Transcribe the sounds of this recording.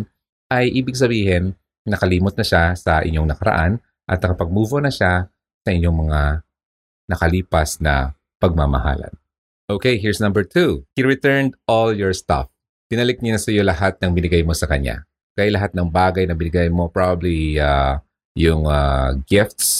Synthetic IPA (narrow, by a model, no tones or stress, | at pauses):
n | ʔɐjʔiːbɪɡ̚s̬ɐbiːhɪnː | ɐkɐliːmot̪nɐʃasɐʔɪ̰ɲo̞ŋnɐkɐɾɐ̰ʔan | ʔɐ̰t̪nɐkɐpɐɡ̚muːvonɐʃa | sɐʔɪɲoŋmɐŋa | nɐkɐliːpɐsnɐ̰ | pɐɡ̚mamɐ̰ha̰lɐ̰n | ʔokejɦiɹsnɐ̃mbɛɹt̪ʰuhiɹɪt̪ɛɹnd̪ʔoljɔɹst̪a̰f | d̪̥ɪnɐlɪk̚ɲanɐsɐjo̞lɐhat̪̚nɐŋbɪnɪɡajmo̞sɐkɐɲa̰ | kɐjalɐɦat̪̚nɐŋbaːɡɐjnɐbɪnɪɡajmo̞pɹabɐblia | jʊŋaɡɪft̪s